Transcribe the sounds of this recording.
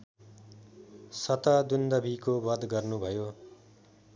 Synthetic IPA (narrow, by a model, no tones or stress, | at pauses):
sʌt̪ʌd̪und̪ʌbʱikobʌd̪ɡʌrnubʱʌjo